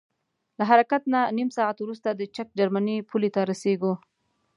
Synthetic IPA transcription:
laɦaɾakat̪nanimsɑat̪wɾust̪ad̪ət͡ʃak̚d͡ʒaɾmanipʰulet̪aɾaseɡu

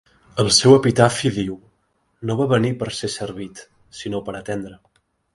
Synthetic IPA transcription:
əlˠsɛwəpit̪afiðiw | noβaβənipəɾsesəɾβit̪ | sinopəɾət̪end̪ɾə

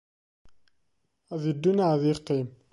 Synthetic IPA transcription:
æðid̪ːunaðiqːim

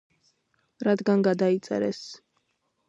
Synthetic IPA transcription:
ɾad̪ɡanɡad̪ait̪sʼɛ̰ɾɛs

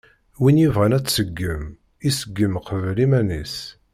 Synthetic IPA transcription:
winjivʁænæt͡sːsəɡːəm | isəɡːəmqəvlimænḭs

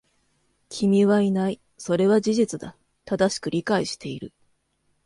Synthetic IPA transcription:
kʲʰimʲiβainai | so̞ɾe̞βad͡ʑiʑit͡sɨd̪a | t̪ad̪aɕi̥kɯ̟ɾʲikaiɕi̥t̪e̞iɾɯ̟

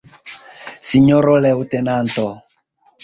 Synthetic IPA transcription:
siɲɔɾɔlɛutɛnantɔ

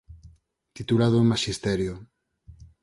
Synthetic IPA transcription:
t̪it̪ulaðomaʃist̪ɛɾjo

